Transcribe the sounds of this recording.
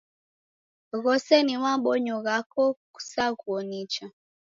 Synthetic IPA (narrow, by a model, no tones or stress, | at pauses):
ɣɔsɛniwaɓɔɲɔɣakɔku̥sakuɔnit͡ʃa